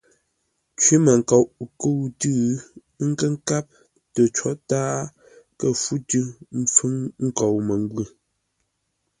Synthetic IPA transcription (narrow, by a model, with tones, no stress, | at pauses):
t͡ʃwi˦mə˨ŋ̩˨kɔ˨wʔkə˦wtʉ˦˨˦ | ŋ̩˦kə˦ŋ̩˦ka˦p̚ | tə˨t͡ʃɔ˦taː˦ | kə˦fu˦tɨ˦m̩˦fʉ˦ŋŋ̩˦kɔ˨wmə˨ŋ˦ɡwʉ˦˨